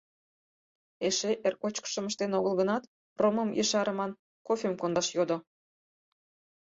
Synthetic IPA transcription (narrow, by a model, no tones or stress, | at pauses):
eʃeʔerkot͡ɕkə̥ʃə̆məʃt̪enoɣəlɣənɑt̪ | roməmjḛʃɑɾə̆mɑn | kofʲemkond̪ɑʃjod̪o